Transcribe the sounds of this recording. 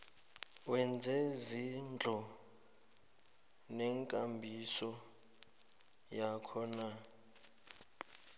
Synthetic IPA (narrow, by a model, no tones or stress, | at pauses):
wɛnd͡zʱɛzind͡ɮʱɔ | nɛŋkʼambʱisɔ | jakʰɔna